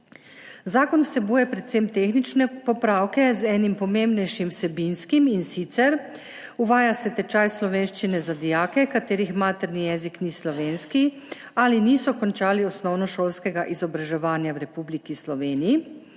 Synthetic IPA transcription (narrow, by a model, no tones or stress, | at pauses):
zaːkɔnwsɛbuːjɛpɾɛt̪semt̪exnit͡ʃnɛpɔpɾaːwkɛzɛːnimpɔmembnɛjʃimwsɛbinskiminsit̪sɛɾ | uʋaːjasɛt̪ɛt͡ʃajslɔʋeːnʃt͡ʃinɛzad̪ijaːkɛkat̪eːɾixmaːt̪ɛɾnijɛːziknislɔʋeːnski | aliniːsɔkɔnt͡ʃaːliɔsnɔwnɔʃoːlskɛɡaʔizɔbɾaʒɛʋaːnjawɾɛpublikislɔʋeːniji